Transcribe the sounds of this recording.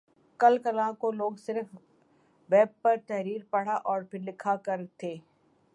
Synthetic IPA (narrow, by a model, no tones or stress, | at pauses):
kɐlkɐlãkoloːɡsɪɾf | ʋɛːb̚pɐɾt̪ɛɦɾiːɾpɐɽ̤aʔɔːɾpʰɪɾlɪkʰakɐɾt̪ʰeː